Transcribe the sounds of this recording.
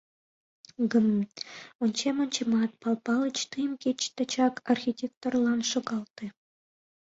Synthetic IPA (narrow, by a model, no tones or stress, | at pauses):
ɡɤ̆m | ŏnt͡ɕemʲŏnʲt͡ɕemɑt̪̚pɑlˠpɑlˠɤ̆t͡ɕt̪ɯjəmkʲet͡ɕt̪ɑ̆t͡ɕɑkʰɑrxʲitʲek̚t̪ŏrlˠɑnʂŏɡɑlˠt̪ĭ